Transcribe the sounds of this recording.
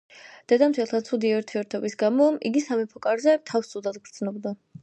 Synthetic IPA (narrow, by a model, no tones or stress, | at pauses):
d̪̥ɛd̪amt̪ʰɛlˠt̪ʰat̪sʰud̪iɛuɾt̪ʰiɛɾt̪ʰɔbisɡamɔʔiɡisamɛpʰɔkʼaɾzɛt̪ʰafst̪sʰʼud̪ad̪ɡɾd̪znɔbd̪a